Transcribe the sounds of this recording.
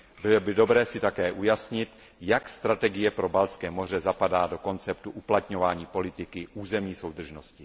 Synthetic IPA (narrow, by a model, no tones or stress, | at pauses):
bɪlobɪdo̞bɾɛːsɪt̪akɛːʔujasɲɪt̪ | jakst̪ɾat̪ɛɡɪjɛpɾo̞balskɛːmo̞r̝ɛzapadaːdo̞ko̞nt͡sɛpt̪uʔuplat̪ɲo̞vaːɲiːpo̞lɪt̪ɪkɪʔuːzɛmɲiːso̞wd̪r̩ʒnoscɪ